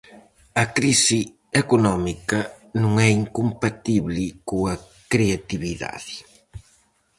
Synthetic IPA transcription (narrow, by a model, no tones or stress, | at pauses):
ɐkɾisi | ɛkonɔmikɐ | nũŋɛiŋkompat̪iβlɪkoɐ | kɾeat̪iβiða̰ðɪ